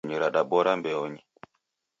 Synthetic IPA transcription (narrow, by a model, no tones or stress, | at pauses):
ɲiɾaɗaɓɔɾambɛɔɲi